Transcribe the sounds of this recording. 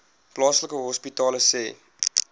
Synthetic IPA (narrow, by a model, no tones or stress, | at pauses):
plɑːsləkəɦɔspitɑːləsḛː